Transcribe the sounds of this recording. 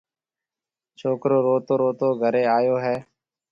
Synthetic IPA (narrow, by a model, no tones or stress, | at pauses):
t͡ʃʰoːkɾoːɾoːt̪oːɾoːt̪oːɡʱəɾeːaːjoːɦɛː